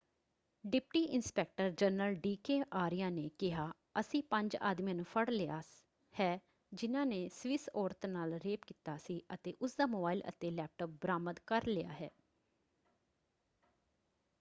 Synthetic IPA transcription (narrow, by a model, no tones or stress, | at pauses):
ɖɪpʈiːʔɪnspɛːk̚ʈəɾd͡ʒənəlɖiːkeːʔaːɾɪjãːneːkɪɦaː | əsĩːpəɲd͡ʒa̰ːd̪mijãːnũːpʰəɽlɪaː | hɛː | d͡ʒɪnãːneːsʋɪsoːɾt̪ʰnaːlɾeːpkiːt̪aːsiːʔət̪eːʔʊsd̪aːmoːbaːilə̰t̪eːlɛːp̚ʈoːp̚bəɾaːməd̪kəɾlɪja̰ːɦɛː